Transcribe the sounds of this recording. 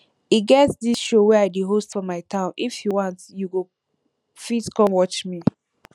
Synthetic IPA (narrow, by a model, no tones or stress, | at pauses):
iɡɛtsdisʃowɛaɪdeɦostfɔ̃maɪtʰãʊ̃nʔifjuwãntjuɡo | fiskɔ̃mwɔt͡ʃmi